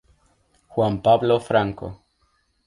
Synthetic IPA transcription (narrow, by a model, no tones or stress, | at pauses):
xwampaβlofɾaŋko̰